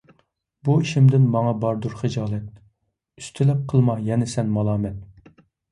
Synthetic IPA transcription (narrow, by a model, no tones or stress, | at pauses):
buiʃimd̪ɪnmɑŋɑbɑɾd̪uɾχɨd͡ʒɑːlˠɛt̪̚ | yst̪ʰɪlɪp̚qʰəlˠmɑjɛnɪsɛnmɑlˠɑːmɛnt̪̚